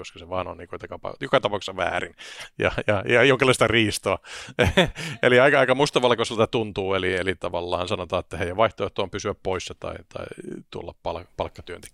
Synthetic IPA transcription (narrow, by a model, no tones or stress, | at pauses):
joskɑseʋɑːno̰nniːŋkut̪ɑkɑpɑ̰jokɑt̪ɑpɑˑuksisɑʋæ̰ːrinjɑ̰jɑjɑjoŋkelːɑˑist̪ɑriːst̪oɑ | eliɑikɑɑikɑmust̪ɑʋɑlkoselt̪æt̪unt̪uːelielit̪ɑʋɑlːɑ̰ːnsɑnot̪ɑːet̪ːæhejæʋʋɑiht̪oˑeht̪oɑːmpysyæppoisjɑt̪ɑ̰it̪ʰɑ̰it̪ṵlːɑppɑlpɑlkːɑt̪yønt̪e̥ki̥